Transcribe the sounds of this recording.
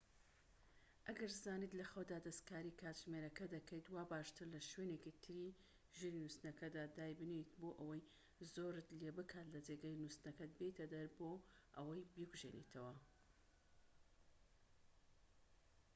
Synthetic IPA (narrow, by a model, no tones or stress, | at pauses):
ʔɐɡɐɾzaːniːt̪lɐxod̪aːd̪ɐst̪kaːɾikʰaːt̪ʒmeɾɐkɐd̪ɐkʰɐjt̪waːbaːʃt̪ʰɨɾlɐʃweːneːkit̪ʰɨɾi | ʒiɾinust̪nɐkʰɐd̪aːd̪aːjbɨnet̪boːʔɐwɐj | zoːɾɨt̪leːbɨkʰaːt̪lɐd͡ʒeɡɐjnust̪nɐkɐt̪̚bet̪ʰɐd̪ɐɾboːʔɐwɐjbiɡuʒḛnḛt̪ʰɐwɐ